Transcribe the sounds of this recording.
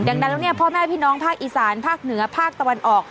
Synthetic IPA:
da˨˧ŋna˧˦˥la˧˥˩ni˥˩ɐpʰɔː˥˩mɛː˥˩pʰiː˥˩nɔː˦˥ŋpʰaː˥˩k̚ʔiː˨˩saː˩˦npʰaː˥˩k̚nɯ˩˦ɐpʰaː˥˩k̚t̪a˧wa˧nʔɔː˨˩k̚

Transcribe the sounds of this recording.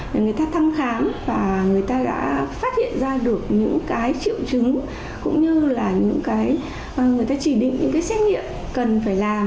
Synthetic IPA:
ŋɨ˨˩əjt̪aː˧t̪ʰa˧mxaː˨˦mvaː˨˩ŋɨ˨˩əjt̪aː˧ɗa̰ː˧˥faː˦˥t̚hḭ˧˨ənzaː˧ɗɨ˨˩ək̚ɲɨ̰˧˥ŋkaː˨˦jt͡ɕi˧˨əwt͡ɕɨ˨˦ŋ | kʊ̰˧˥ŋ͡mɲɨ˧laː˨˩ɲɨ̰˧˥ŋkaː˨˦j | ŋɨ˨˩əjt̪aː˧t͡ɕi˧˩ɗḭ̈˧˨ŋ̟ɲɨ̰˧˥ŋkaː˨˦jsɛ˦˥k̚ɲḭ˧˨əm | kə˨˩nfaː˧˩jlaː˨˩m

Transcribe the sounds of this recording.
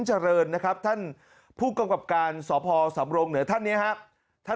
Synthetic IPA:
nt͡ɕa˧ɾɤː˧nːa˦˥kʰa˦˥p̚t̪ʰa˥˩n | pʰuː˥˩ka˧mka˨˩p̚kaː˧nsɔː˩˦pʰɔː˧sa˩˦mɾo˧ŋnɯː˩˦ɐt̪ʰa˥˩nːi˦˥ɐɦa˦˥ʔ | t̪ʰa˥˩

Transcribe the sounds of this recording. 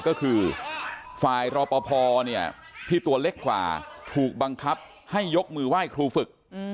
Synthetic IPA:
kɔː˥˩kʰɯː˧ | faː˨˩jɾɔː˧pɔː˧pʰɔː˧ni˥˩ɐ | t̪ʰiː˥˩t̪u˧ɐle˦˥˩kːwa̰ː˨˩t̪ʰuː˨˩k̚ba˧ŋkʰa˦˥p̚ | ha˥˩jːo˦˥k̚mɯː˧waː˥˩jkʰɾuː˧fɯ˨˩k̚

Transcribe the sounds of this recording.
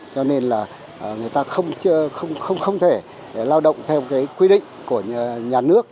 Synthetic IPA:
t͡ɕɔ˧ne˧nlaː˨˩˨ | ŋɨ˨˩əjt̪aː˧xə˧wŋ͡mt͡ɕɨ˧əxə˧wŋ͡mxə˧wŋ͡mxə˧wŋ͡mt̪ʰe˧˩ | laː˧wɗə̰˧˨wŋ͡mt̪ʰɛ˧wkaː˨˦jkwi˧ɗḭ̈˧˨ŋ̟ku˧˩ə˨˩ɲaː˨˩nɨ˦˥ək̚

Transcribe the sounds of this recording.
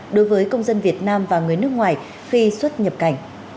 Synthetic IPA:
ɗo˨˦jvəː˨˦jkə˧wŋ͡mzə˧nvi˨˩ət̚naː˧mvaː˨˩ŋɨ˨˩əjnɨ˦˥ək̚ŋwaː˨˩j | xi˧swə˦˥t̚ɲə˨˩p̚ka˨˩jŋ̟

